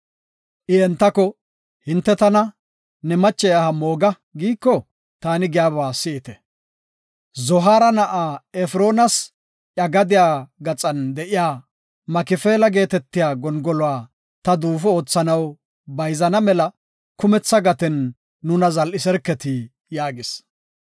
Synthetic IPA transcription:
ʔɪɛnt̪ːɐkɔ | hɪnt̪ːɛt̪ɐnɐ | nɛmɐt͡ʃːɛjahɐmo̞ːɡɐ | ɡiːkːɔ | t̪aːnɪɡɪjaːβaːsɪʔɪt̪ɛ | zɔɦaːɾɐnɐʔaːɛfɾo̞ːnɐs | ʔɐɡɐd̪ɪjaːɡɐt͡sʼɐnd̪ɛʔɪjaː | mɐkɪfe̞ːlɐɡe̞ːt̪ɛt̪ːɪjaːɡɔnɡɔlɔaː | t̪ɐd̪uːfɔoːt͡sːɐnɐw | bɐjzɐnɐmɛlɐ | kʊmɛt͡sːɐɡɐt̪ɛnː | ʊnɐzɐlɪsɛɾkːɛt̪ɪ | jaːɡɪs

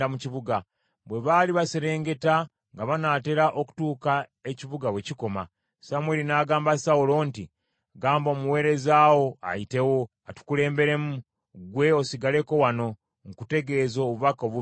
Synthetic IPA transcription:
amuciβuɡa | βwe̞βaliβaseɾe̞ːŋɡe̞ta | ŋɡaβanaːte̞ɾaʔoku̥tuːkae̞ciβuɡaβwe̞ciko̞ma̰ | samwelinaːɡaːmbasaulo̞ːnti | ɡaːmbo̞ːmuwe̞ːɾe̞zaːwo̞a̰jite̞wo̞ | atu̥kule̞ːmbe̞ɾe̞mu | ɡwe̞osiɡale̞ko̞wano̞ | ŋkute̞ɡe̞ːzoːβuβako̞βu

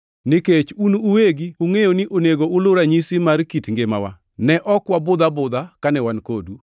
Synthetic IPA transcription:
nɪket͡ʃunuuweɡiuŋejonɪʔoneɡoʊlʊɾaɲisimaɾkitŋɡema̰wa̰ | nɛʔɔkwabʊd̪abʊd̪akanɛwankodu

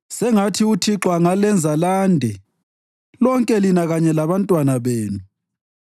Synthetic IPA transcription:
sɛŋatʰiutʰiǁwaŋalɛnd͡zʱalaːndʱɛ | lɔŋkʼɛlinaɣaɲɛlaβantʼwanaβeːnu

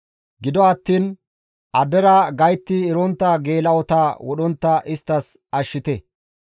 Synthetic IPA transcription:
ɡɪd̪ɔɐt̪ːiːn | ʔɐd̪ɛɾɐɡɐjt̪ːɪːɾɔnt̪ːɐɡe̞ːlɐwɔt̪awɔɗɔnt̪ːɐʔɪst̪ːɐs | ɐʃːɪt̪ɛ

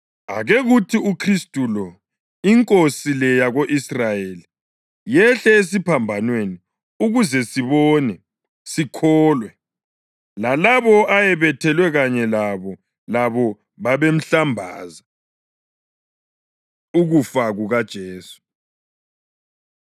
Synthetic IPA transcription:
aɣeɣutʰiukʰristʼulɔ | iŋkʼosilɛjaɣoʔisrajeli | jɛɬɛes̬ipʰambʱanweni | uɣuzɛsiβɔnɛ | sikʰɔːlwɛ | lalaβɔajɛβɛtʰɛlwɛɣaɲɛlaβɔ | laβɔ | βaβem̩ɬambʱa̰ːza | uɣufaɣuɣad̥ʒ̥ʱeːsu̥

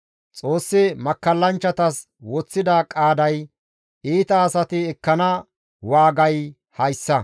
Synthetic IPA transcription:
t͡sʼo̞ːsːɪmɐkːɐlːɐnt͡ʃːɐt̪ɐs | wɔt͡sːɪd̪ɐkʼaːd̪ɐj | iːt̪ɐːsɐt̪ɪɛkːɐnɐ | waːɡɐj | hɐjsːɐ

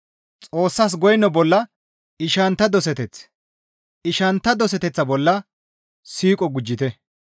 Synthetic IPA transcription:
t͡sʼo̞ːsːɐs̬ɡɔjnːɔbɔlːɐ | ɪʃɐnt̪ːɐd̪ɔs̬ɛt̪ɛt͡s | ɪʃɐnt̪ːɐd̪ɔs̬ɛt̪ɛt͡sːɐbɔlːɐ | siːkʼɔɡʊd͡ʒːɪt̪ɛ

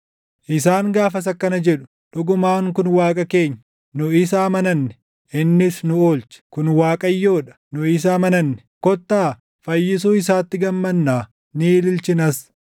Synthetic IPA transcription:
ʔɪsaːŋɡaːfɐs̬ɐkːɐnɐd͡ʒɛᶑʊ̥ | ᶑʊɡʊmaːŋkʊnwaːkʼɐke̞ːɲːɐ | nʊɪs̬aːmɐnɐnːɛ̥ | ʔɪnːɪsnʊoːlt͡ʃɪ̥kʊnwaːkʼɐjːoːᶑɐ̥nʊɪs̬aːmɐnɐnːɛ̥kɔt̪ːaː | fɐjːɪs̬uːɪs̬aːt̪ːɪɡɐmːɐnːaː | niːlɪlt͡ʃɪnɐs

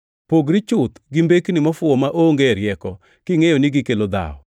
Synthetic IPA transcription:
poɡɾɪt͡ʃʊt̪ɡɪmbeknɪmafʊɔmaʔoŋɡeɾjɛkɔ | kɪŋejɔnɪɡɪkelod̪a̰ɔ̰

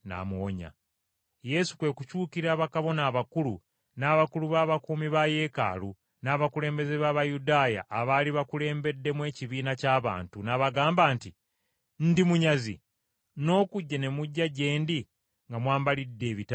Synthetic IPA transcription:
na̰moɲa̰ | je̞su̥kwe̞kucuːkiɾaːβakaβo̞naːβakulu | naːβakuluβaːβakuːmiβaje̞ka̰ːlu | naːβakule̞ːmbe̞zeβaːβajudaːja̰ʔːβaliβakule̞ːmbe̞dːe̞mwe̞ːciβiːnacaːβa̰ːntunaβaɡaːmbaːnti | n̩dimuɲazḭ | no̞ːkuɟːane̞muɟːaɟe̞ːndi | ŋɡamwaːmbalidːe̞ːβita

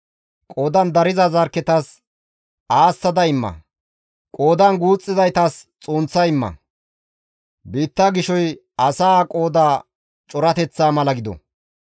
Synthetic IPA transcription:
kʼo̞ːd̪ɐnd̪ɐɾɪzɐzɐɾkːɛt̪ɐs | aːsːɐd̪ɐɪmːɐ̰ | kʼoːd̪ɐnɡuːt͡sʼːɪzɐjt̪ɐst͡sʼoːnt͡sːɐjɪmːɐ̰ | biːt̪ːaɡɪʃɔj | ɐsaːkʼo̞ːd̪aː | t͡ʃʼɔɾɐt̪ɛt͡sːaːmɐlɐɡɪd̪ɔ̰

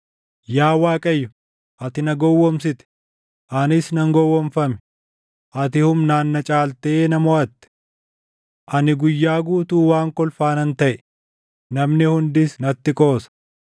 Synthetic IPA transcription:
jaːwaːkʼɐjːʊ | ʔɐt̪ɪnɐɡɔwːɔmsɪt̪ɛ̥ | ʔɐnɪsnɐŋɡɔwːɔmfɐmɛ̥ | ʔɐt̪ɪhʊmnaːnːɐt͡ʃʼaːlt̪ɛeːnɐmɔɐt̪ːɪ̥ | ʔɐnɪɡʊjːaːɡuːt̪uːwaːŋkɔlfaːnɐnt̪ɐʔɛ | nɐmnɪhʊnd̪ɪsnɐt̪ːɪkʼo̞ːsɐ̥

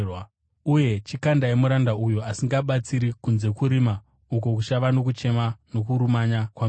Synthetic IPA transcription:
w | uje̞t͡ʃikandaemuɾandaujoasiŋɡaɓat͡siɾikunze̞kuɾima | uko̞k̬uʃaʋano̞k̬ut͡ʃe̞mano̞kuɾumaɲakwam

